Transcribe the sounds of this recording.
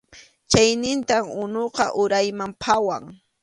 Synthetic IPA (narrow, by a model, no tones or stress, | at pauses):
t͡ʃajnɪnt̪amʊnoqɑ̰ʔʊɾajmampʰawaŋ